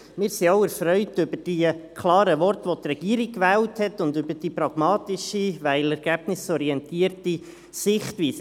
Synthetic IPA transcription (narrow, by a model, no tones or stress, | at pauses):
mɪːɾsiaʊɛɾfɾœʏtʏbəd̥ikʰlɑːɾəʋɔrtʋot̪rɛɡ̥iːəɾikʋæːlthɛtʊndʏbəd̥ipɾɑɡ̥mɑːtɪʃiʋæɪlɛɾɡ̥æb̥nɪsɔɾiɛntiːəɾti | sɪχtʋiːsə